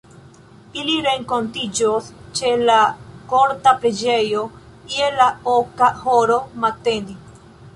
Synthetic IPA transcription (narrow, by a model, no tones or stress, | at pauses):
iliɾe̞ŋko̞ntid͡ʒost͡ʃe̞lako̞ɾtapɾed͡ʒe̞jo | kielaokahoɾo̞mate̞ndi